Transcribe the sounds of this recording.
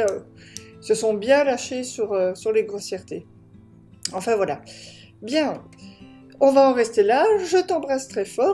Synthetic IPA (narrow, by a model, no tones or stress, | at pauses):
ø | isəsɔ̃bjɛ̃laʃesyʁøsyʁleɡʁɔsjɛʁt̪e | ɑ̃fɛ̃vwala | bjɛ̃ | ɔ̃vaɑ̃ʁɛst̪elaʒət̪ɑ̃bʁast̪χɛfɔː